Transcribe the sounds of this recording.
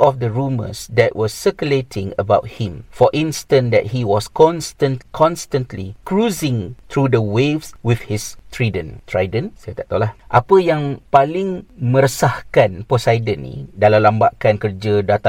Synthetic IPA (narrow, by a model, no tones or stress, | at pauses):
ʔɔfdəɹumə̰sd̪ɛtwʔɔsːəkuletʰɪ̃ŋə̰bawt̚hɪ̃mfɔʔĩnstə̃ndɛ̰t̚hiwɔskɔ̃nstə̃nkʰɔ̃nstə̃ntlikɹuzɪ̃ŋt̪ɹudəwefswɪfhist̪ɹidə̃nt̪ɹajdə̃nst̪aʔ̚t̪olahʔapəjãŋpalɪ̃ŋmə̃ɾəsahkãnposajdənḭ̃dalalambaʔkankərd͡ʒədat̪a